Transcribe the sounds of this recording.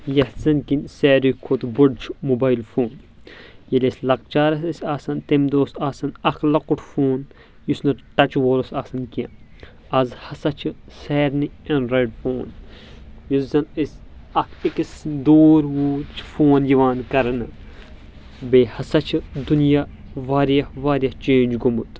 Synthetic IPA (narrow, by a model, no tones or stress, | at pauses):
jɐhzɐnkinsɛːɾikʰːot̪buɖt͡ʃʰmubaːjlfoːn | jɐlʲesʲlɐk̚t͡ʃaːɾɐsɐsʲaːsɐnt̪emd̪oːsaːsɐnɐkʰlɐkuʈʰfoːn | jusnɐʈɐt͡ʃʋoːɾosaːsɐnkiɐn | ɐzhɐsɐt͡ʃʰɨseːɾniɐnɾɐjɖfoːn | juzɐnisʲɐkʰikisd̪oːɾʋuːɾt͡ʃʰfoːnjiʋaːnkɐɾɐnɨ | beːhɐsɐt͡ʃʰid̪unijaʋaːɾjɐhʋaːɾʲjɐht͡ʃeːnd͡ʒɡumut̪